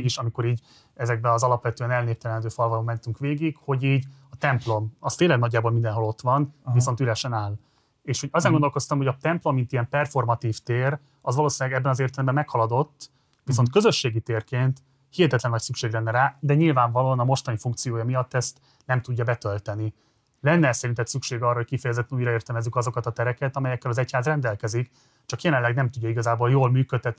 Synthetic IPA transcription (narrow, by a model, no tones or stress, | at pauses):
ɡiʃɒmiko̞ɾiːɟ | ɛzɛɡ̚bɛɒzɒlɒpʋɛt̪øɛnɛlneːpt̪ɛlɛnd̪øːfɒlvɒloːmɛnt̪yŋkʋeːɡikho̞ɟiːɟɒt̪ɛmplo̞mɒst̪eːlːɛɡnɒdɟːaːboːlmind̪ɛnɦo̞lo̞t̪ʋɒnviso̞nt̪yɾɛʃɛnaːl | eːʃhoɟɒzeɛŋɡond̪olko̞st̪ɒmho̞ɟɒt̪ɛmplo̞mːint̪ijɛmpɛrfo̞rmɒt̪iːft̪eːɾ | ɒzʋɒloːsillɛɡɛbːɛnɒzeːrt̪ɛlɛmbɛmːɛkhɒlɒd̪o̞t̪ː | viso̞nt̪kø̞zø̞ʃːeːɡit̪eːrkeːnt̪ | hihɛt̪ɛt̪lɛnvʋɒcsykʃeːɡlɛnːɛɾaːd̪ɛɲilvaːɱvɒloːɒnɒmo̞ʃt̪ɒnifuŋkt̪sijoːjɒmijɒt̪ːɛst̪ | nɛmt̪uɟːɒbɛt̪ølt̪ɛni | lɛnːɛsɛɾint̪ɛt̪sykʃeːɡɒrːɒɦockifɛjɛzɛt̪ːɛnujɾɒeːrt̪ɛmɛzːykɒzo̞kɒt̪ɒt̪ɛɾɛkɛt̪ɒmɛjɛkːɛlɒzɛchaːzrɛnd̪ɛlkɛzik | t͡ʃɒkjɛlɛnlːɛɡnɛmt̪uɟːɒiɡɒzaːboːljoːlmyːkøt̪ʰːɛt̪ni